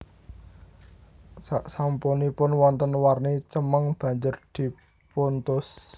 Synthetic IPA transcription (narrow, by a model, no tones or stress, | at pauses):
saʔsampunipʊnwɔnt̪ənwarnit͡ʃəməŋb̥ä̤ɲd͡ʒərd̪̥i̤ | puʊnt̪ʊs